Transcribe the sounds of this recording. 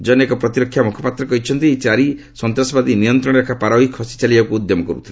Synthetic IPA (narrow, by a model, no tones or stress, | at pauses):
d͡ʒɔnekɔpɾɔt̪iɾɔkʰːjamukʰɔpat̪ɾɔkɔɦit͡ʃʰɔnt̪it͡ʃaɾi | sɔnt̪ɾasɔbad̪inijɔnt̪ɾɔɽ̃ekʰapaɾɔɦikʰːɔsi̥t͡ʃalibakuːd̪jɔmɔkɔɾṵt̪ʰile